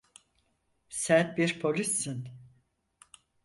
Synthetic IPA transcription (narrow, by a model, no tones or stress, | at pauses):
sænbiɾpʰo̞lʲisːɯn